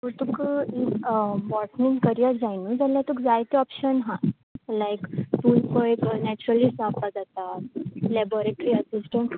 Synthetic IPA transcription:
kut̪ukiʋɔʈnĩnkəɾijəɾd͡ʑajnud͡zaljat̪ukd͡zajt̪eɔpɕənɦã | lajkt̪ulkəjknɛt͡ɕuɾəlisapad͡zat̪at̪lɛboɾeʈɾiəsisʈə̃ɳʈ

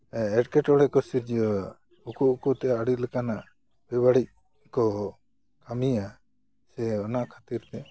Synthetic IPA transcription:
ɛʈkɛʈɔɽɛkɔsiɾd͡ʒ | ukuʔkut̪ɛaɽiləkanaʔ | bɛbaɽic̚ | kɔ | kamia | sɛɔnaʔkʰat̪iɾt̪ɛ

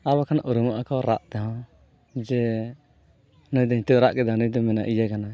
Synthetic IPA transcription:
aɾbakanaʔuɾumaʔakɔɾaʔt̪ɛɦɔ̃ | d͡ʒɛ | nɔjd̪ɔit̪uʔɾaʔkɛd̪anujd̪ɔmɛna̰ʔijakana

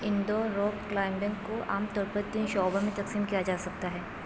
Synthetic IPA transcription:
ɪ̃nd̪oɾɔːkklaːɪmɖɛ̃ːŋkːoa̰ːmt̪ɔːɾpɐɾt̪iːnʃɔːbãmẽt̪ɐqsiːmkijad͡ʒaːsɐk̚t̪aɦɛː

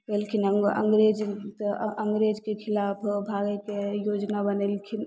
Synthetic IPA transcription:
kelkʰinəə̰ŋɡɾed͡ʒt̪ʔəŋɡɾed͡ʒkekʰɪlaːpʰbʱaːɡekejoːd͡ʒnabənəlkʰin

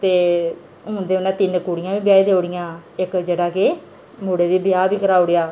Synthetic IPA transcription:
t̪eː | ɦʊ̃ːnd̪eːʊnãːt̪ɪnkuːɽɪjãːbiːbɪjaːeːd̪eːoɽɪjãːɪkd͡ʒeːɽaːke | muːɽeːd̪iːbɪjaːbiːkəɾaːʊɽejaː

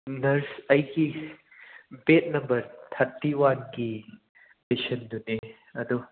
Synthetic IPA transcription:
nɐɾsɐjɡi | bet̚nɐmbɐɾt̪ʰatːiwanɡi | pesɐnd̪une | ɐd̪u

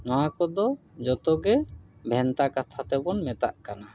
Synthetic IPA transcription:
nɔwakɔd̪ɔ | d͡ʒɔt̪ɔɡɛbʱɛnt̪akat̪ʰat̪ɛbɔnmɛt̪a̰ʔkana

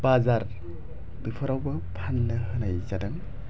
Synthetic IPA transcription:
bazaɾ | dɯpʰɯɾawbɐpʰanːɯhɯnajzadɯŋ

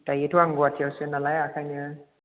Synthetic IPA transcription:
tajetʰuaŋɡuatʰiawsɯnalajakʰajnɯ

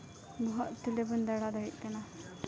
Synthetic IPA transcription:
bɔɦɔʔ̪̚t̪ulebund̪aɽad̪ɔɦit̪̚ˀkana

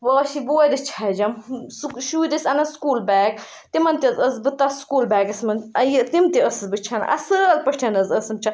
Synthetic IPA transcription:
bɐːʃiboːd̪it͡ʃʰɐd͡ʒɐmsʃuːd̪isɐnɐskuːlbɛːk̚ | t̪imɐnt̪iɐzɐzbɨt̪ɐskuːlbɛːkɐsmɐnɐjit̪imt̪iəsɨbɨt͡ʃʰɐn̰ʔɐ̰səlpɐʈʰɐnɐzɐsɨmt͡ʃʰɐ

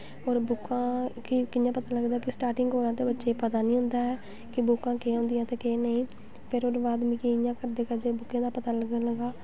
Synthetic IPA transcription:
oːɾbʊkːãːkɪkɪjãːpət̪aːləɡd̪aːkɪsʈaːɾʈɪŋɡoːɾãːt̪eːbətːʃeːpət̪aːnĩːɦʊ̃nd̪aːɛː | kɪbʊkːãːkeːɦõːnd̪ɪjãːt̪eːkeːnəĩː | pʰɪɾoːɾbaːd̪mĩːkeɪjãːkəɾd̪eːkəɾd̪eːbʊkːẽːd̪aːpət̪aːləɡələɡaː

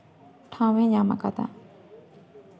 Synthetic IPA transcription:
tʰãwɪ̃jãməka̰t̪ã̰ʔ

